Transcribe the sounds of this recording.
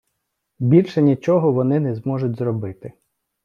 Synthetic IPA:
bʲilʲʃɛnʲit͡ʃɔɦɔʋɔnɪnɛzmɔʒʊtʲzrɔbɪt̪ɪ

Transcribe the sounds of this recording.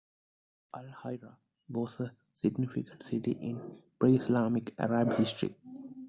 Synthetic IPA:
ʔalhaɪɾa | ʋɔːsə | sɪɡnifɪkə̃ɳʈsiʈḭʔɪ̃npɾiːɪslaːmikæ̰ɾabhɪsʈɾḭ

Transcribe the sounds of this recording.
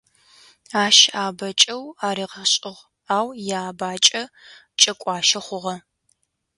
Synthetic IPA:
aːʃaːbɐt͡ʃʼɐwaːɾiːʁɐɕʼɪʁ | aːwjaːbaːt͡ʃʼɐ | t͡ʃʼɐkʷʼɑːʃɐχʷʊʁɐ

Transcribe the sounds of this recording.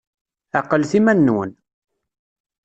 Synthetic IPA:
ɑqəlθimænːwən

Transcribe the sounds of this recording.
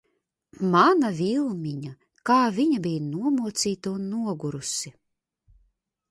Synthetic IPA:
manavilˠmʲiɲa | kaːviɲabijnuɔmuɔt̪siːt̪unːuɔɡuɾusi

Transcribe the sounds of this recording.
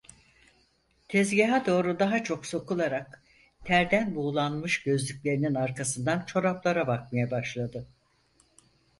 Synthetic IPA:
t̪ʰɛzɟiɦad̪o̞ːɾud̪aɦat͡ʃʰo̞kso̞kʰulˠaɾak | t̪ʰæɾd̪ænbuɣlˠanmɯʃɟø̞zlʲycʲlʲe̞ɾininaɾkʰasɯnd̪ant͡ʃʰo̞ɾaplˠaɾabak̚majabaʃlˠad̪ɯ

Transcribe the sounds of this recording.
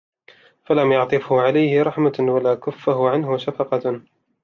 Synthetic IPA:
falamjɑʕt̪ˤɨfhʊʕalajhɪɾˤɑħmawalaːkʊfːahʊʕanɦʊʃafɑqɑ

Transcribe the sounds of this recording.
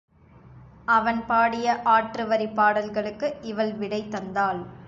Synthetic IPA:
ɐʋɐnpaːɽɪjɐʔaːʈrɯʋɐɾɪpːaːɽɐlɣɐɭɯkːɯɪʋɐlʋɪɽɐɪt̪ːɐnd̪aːl

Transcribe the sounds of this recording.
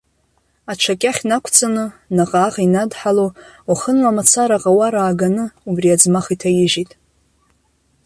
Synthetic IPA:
at͡ʃʷʰakʲʼaχʲnakʷʰt͡sʼanɨnaqʼaːχinadħalouχənlamat͡sʰaɾaqʼawaɾaːɡanɨubriad͡zmaχitʰajɪʒitʼ

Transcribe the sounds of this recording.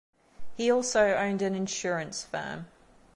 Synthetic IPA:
hiɔˑlˠsəʊə̃ʊ̃ndɨ̃nɪ̃nʃɔɹə̃nsfɜ̰ːm

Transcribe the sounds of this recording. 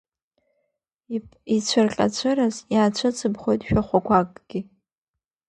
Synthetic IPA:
iit͡ɕʷʰarqʼa̰t͡ɕʷʰaɾazjaːt͡ʃʷʰat͡sʰɨbχʷojtʼʃᶣaχʷakʷʰakʼɡ̥ʲɪ

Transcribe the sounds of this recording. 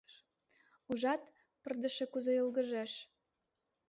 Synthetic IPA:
uʒɑt̪ | pərd̪ə̆ʃĕkuzejəlɣəʒeʃ

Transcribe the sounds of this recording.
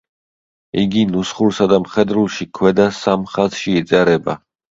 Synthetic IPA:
iɡinusχuɾsad̪amχɛd̪ɾulˠʃikʰwɛd̪asamχazʃiːt̪sʼɛɾɛba

